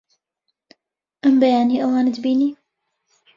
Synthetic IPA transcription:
ʔɐmbɐjaːniːʔɐwaːnɨd̪biːniː

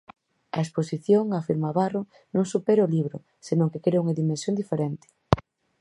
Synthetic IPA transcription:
a̰esposiθjoŋafiɾmaβaro | nõŋsupeɾeoliβɾo | senõŋkekeɾeuŋaðimẽnsjond̪ifeɾent̪ɪ̥

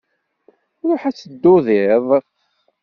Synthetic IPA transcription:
ɾʊħæt͡sːəd̪ːʊðiðˤ

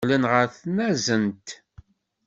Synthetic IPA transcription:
lənʁəɾθnæzənt̪

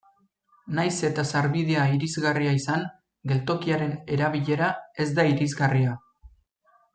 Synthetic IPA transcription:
najse̞t̪asaɾβið̞eaiɾizɣariaisaŋ | ɡe̞lt̪o̞kiaɾe̞ne̞ɾaβiʎe̞ɾae̞zd̪aiɾizɣaria

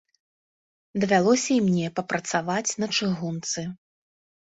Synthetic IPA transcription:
d̪ɐvʲalˠɔsʲɐimnʲɛpɐpɾɐt̪savat͡sʲnɐt͡ʂɨɣunt̪sɨ

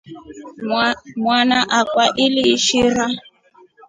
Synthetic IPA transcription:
mwanaʔakwaʔiliːʃiɾa

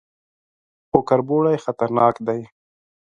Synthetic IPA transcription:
xʊkaɾboɽajxat̪aɾnɑːkd̪aj

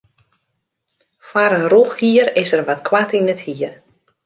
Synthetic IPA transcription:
fwaɾənruxhiəɾɪsərʋatkʰwatinəthiər

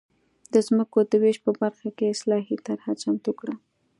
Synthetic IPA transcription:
d̪əzməkod̪əweʃpəbaɾxakeɪslɑɦit̪aɾhat͡ʃamt̪ukɽa

